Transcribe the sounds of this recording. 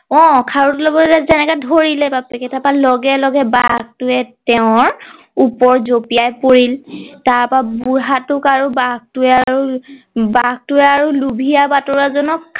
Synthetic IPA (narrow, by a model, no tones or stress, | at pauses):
ɔ̃kʰaɹutlɔbɔɛzɛnɛkadʱoɹilɛpapɛkɛtʰapalɔɡɛlɔɡɛbaɡ̚tʊɛtɛʊ̃ɹ | upɔɹzopijajpoɹiltaɹpabuɹɦatʊkaɹubaɡ̚tʊɛaɹu | baɡ̚tʊɛaɹulubʱijabatɔɹazɔnɔkʰ